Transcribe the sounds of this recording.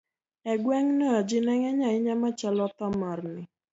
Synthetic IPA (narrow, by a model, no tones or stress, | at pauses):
ɛɡwɛŋnɔɔd͡ʒɪnɛŋɛɲaɪɲamat͡ʃalɔt̪ɔmɔrnɪ